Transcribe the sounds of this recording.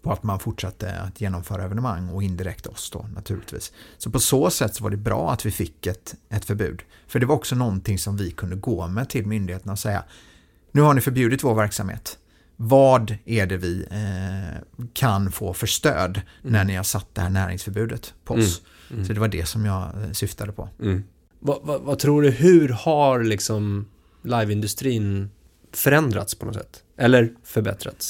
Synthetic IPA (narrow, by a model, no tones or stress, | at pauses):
pʰɔat̪manfʊʈʂat̪ʰːə̰a̰t̪ʰjeːnɔmfœːɾaɛvɛnəmaŋːɔɪnd̪ɪɾɛkt̪ʰaɔsd̪o̰nat̪ʰʉ̟ːlɪt̪vḭːsːɔpʰɔsoːsɛt̪ːsɔvaɖɛbɾɑ̰ːat̪vɪfɪkːɛt̪ɛt̪fœɾbʉ̟̰ːd̪ | fœɖɛvaɾɔksɔnɔnt̪ʰɪŋsɔmvɪkʰɵnd̪əɡoːmɛt̪ʰɪlmʏnd̪ɪheːt̪ənaɔsɛjːa̰ | nʉ̟ːhaɳɪfœɾbjʉ̟ːd̪ɪt̪voːɾvæɾksamhḛːt̪ | vɑːd̪æɖɛvɪ | kʰanfoːfœʂt̪ø̰ːd̪næɳɪhaʂat̪̚ːd̪ɛhæːɳæːɾɪ̰ŋsfœɾbʉ̟ːd̪ət̪pʰɔɔs | sɔd̪ɛvaɖɛsɔmjɑːɡsʏft̪ʰad̪əpʰɔ̰ | vavavat̪ʰɾuːɖɵhɵ̟ɾhaɾlɪksɔm | lajvɪnd̪ɵst̪ɾiːn | fœɾɛnd̪ɾa̰t̪spʰɔnɔ̰t̪sɛ̰t̪ː | ʔɛlːəɾfœɾbɛ̰t̪ɾa̰t̪s